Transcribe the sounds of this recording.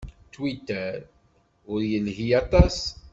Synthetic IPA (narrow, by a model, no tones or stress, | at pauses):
t̪wit̪ːəɾ | ʊɾjəlɦijɑt̪ˤɑs